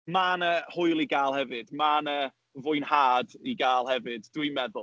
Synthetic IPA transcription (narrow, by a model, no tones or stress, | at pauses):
manəhʊjlˠiɡaːlˠhɛvɨd̥manə | vʊɨnhaːdiɡaːlˠhɛvɨdd̥wimɛðʊlˠ